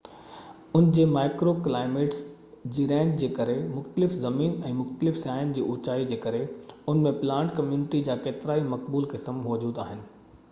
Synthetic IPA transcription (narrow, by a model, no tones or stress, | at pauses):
ʊnd͡ʑeːmaːɪkɾoklaːɪmeːʈs | d͡ʑiːɾɛ̃ːɲd͡ʑd͡ʑeːkɐɾemʊxt̪əlɪfzɐmiːnɛ̃ːmʊxt̪əlɪfsjaːɪənd͡ʑiːʔʊːt͡ɕaːid͡ʑeːkɐɾeʊnmẽplãːɳʈkɐmjuːnɪʈid͡ʑaːkeːt̪ɪɾaːimɐk̚buːlkɪsəmːɔːd͡ʑuːd̪aːɦɪnɪ̆